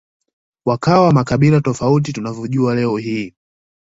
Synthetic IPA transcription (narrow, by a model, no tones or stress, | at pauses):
wakawamakaɓilatɔfaut̬itunavɔʄualɛɔɦiː